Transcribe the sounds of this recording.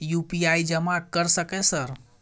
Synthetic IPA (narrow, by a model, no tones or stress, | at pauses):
jupiaid͡ʒəmãkəɾsəkesəɾ